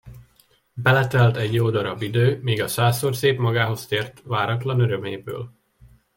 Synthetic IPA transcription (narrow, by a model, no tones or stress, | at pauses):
bɛlɛt̪ɛlt̪ɛɟjoːd̪ɒɾɒbːid̪øːmiːɡɒsaːsoːrseːpmɒɡaːɦo̞st̪eːrt̪ʋaːɾɒt̪lɒnøɾømeːbø̰ːl